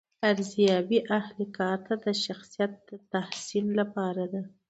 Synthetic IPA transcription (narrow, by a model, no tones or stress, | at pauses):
aɾzijɑbiʔahlikɑɾt̪ad̪əʃaxsijat̪̚d̪̥ət̪ahsillapɑɾad̪a